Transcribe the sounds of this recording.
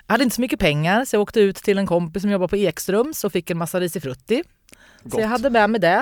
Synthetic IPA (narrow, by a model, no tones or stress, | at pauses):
jjahad̪əɪnəsɔmʏkːəpʰɛŋːaɾsɔjɑɡoːkt̪əʉ̟ːt̪ʰːɪlɛnkʰɔmpɪsːɔmjɔbːaɾpʰɔeːksɾɵmːsɔfɪkːɛnmasːaɾiːsɪfɾɵt̪ːɪ | sɔjaɦad̪ːəmɛmɛd̪ɛ